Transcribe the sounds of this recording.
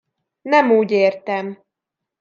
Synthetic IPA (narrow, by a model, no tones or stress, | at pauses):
nɛmuːɟeːrt̪ɛm